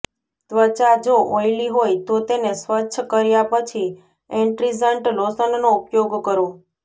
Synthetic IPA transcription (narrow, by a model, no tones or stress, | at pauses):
t̪ʋət͡ʃad͡ʒoʔoiliɦojt̪ot̪enesʋətːʃʰkəɾjapət͡ʃʰi | eɳʈɾizəɳʈlosənnoupjoɡkəɾo